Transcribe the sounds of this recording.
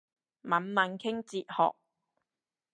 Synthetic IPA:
mɐ˨˥nmɐ˨˥nkʰɪ˥ŋt͡siː˨t̚hɔ̰ː˨k̚

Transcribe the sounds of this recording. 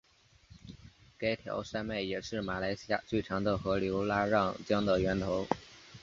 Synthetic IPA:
ka˥ɪt̪ʰjɑ̰˧˥ʊʂa˥nme˥˩ɪjɛ˨˩ʂɻ̩˥˩ma˨˩la˧˥ɪɕi˥ja̰˥˩t͡swe˥˩ɪʈ͡ʂʰɑ˧˥ŋd̪ə˨xɤ˧˥ljo˧˥ʊla˥ɻɑ˥˩ŋt͡ɕjɑ˥ŋd̪ə˨ɥɛ˧˥nt̪ʰo˧˥ʊ

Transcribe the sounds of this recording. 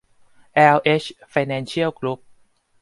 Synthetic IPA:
ʔɛː˧wʔe˦˥t͡ɕfa˧jnɛː˧nt͡ɕʰi˥˩əwklu˦˥p̚

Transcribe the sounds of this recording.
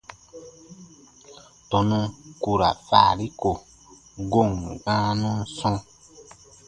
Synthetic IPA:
tɔ˧nũ˧ku˧ɾa̰˨fa̰˦˨li˦ko˨ | ɡo˦˨ŋɡãː˦nũ˦sɔ̃˦˧

